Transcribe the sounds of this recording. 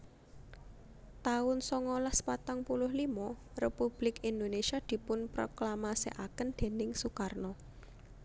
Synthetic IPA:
t̪aʊnsɔŋɔlahspat̪aŋpulʊhlimɔrepub̥lɪkind̪onesiad̪̥i̤pʊnpɾo̰klamasḛʔakənd̪̥e̤nɪŋsukarnɔ

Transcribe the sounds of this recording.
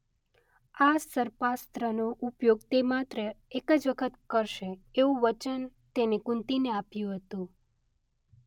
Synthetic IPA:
asəɾpast̪ɾənoʔupjoɡ̚t̪emat̪ɾəekəd͡ʒʋəkʰət̪kəɾʃeeʋũʋət͡ʃənt̪enekũnt̪ineapjũɦət̪ũ

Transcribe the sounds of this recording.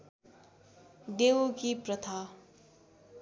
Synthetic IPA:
ɖewkiprʌt̪ʰa

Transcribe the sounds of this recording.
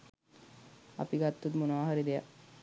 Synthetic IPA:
a̰piɡat̪ːut̪monoʋaɦaɾid̪eja

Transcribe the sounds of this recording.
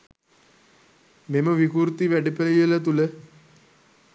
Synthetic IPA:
meməʋikuɾt̪iʋæɖəpəlijələt̪ulə

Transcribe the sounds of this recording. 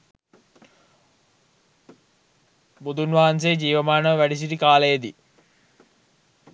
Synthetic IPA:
bud̪unʋaːns̬ed͡ʑiːʋɐmaːnəʋæɖis̬iɾikaːlɐjed̪i

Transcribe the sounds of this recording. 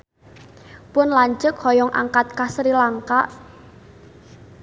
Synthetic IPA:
pʊnlaɲt͡ʃʊkhɔjɔŋʔa̰ŋkat̪̚kasɾilaŋkaʔ

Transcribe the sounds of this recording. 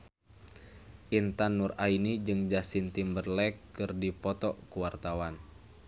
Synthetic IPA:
ʔint̪anːurainid͡ʒɨŋd͡ʒasint̪imbərlɛkːɨrdipɔt̪ɔkuwart̪awan

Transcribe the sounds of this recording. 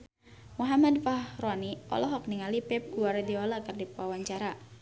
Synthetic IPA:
muɦamadfahroaniɔ̰lɔɦɔk̚niŋalipɛp̚ɡ̥uaɾediɔlakərdipwawaɲt͡ʃaɾa

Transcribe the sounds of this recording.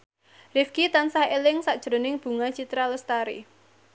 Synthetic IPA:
rɪfkit̪ansahelɪŋsaʔd̥ʒ̥ɾo̤nɪŋb̥ṳŋat͡ʃit̪ɾaləst̪aɾḭ

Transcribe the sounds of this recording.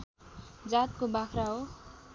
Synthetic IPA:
d͡zat̪̚kobakʰraɦo

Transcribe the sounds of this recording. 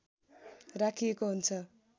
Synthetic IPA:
rakʰijekoɦunt͡sʰʌ

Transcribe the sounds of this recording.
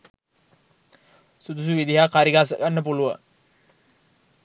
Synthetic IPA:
sud̪us̬uʋid̪iɦakaɾiɡas̬əɡanːəpuluʋə̰

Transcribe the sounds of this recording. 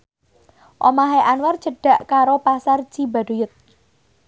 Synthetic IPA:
ʔomaɦeʔanward͡ʒ̥əɖ̥ä̤ʔkaɾopasar̥d͡ʒ̥i̤ba̤ɖ̥ujʊt̪̚

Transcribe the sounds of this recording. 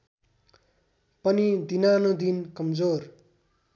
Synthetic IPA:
pʌnid̪inanud̪inkʌmd͡zor

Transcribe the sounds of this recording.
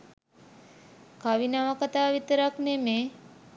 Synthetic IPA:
kaʋinaʋakat̪aːʋit̪əɾakneme

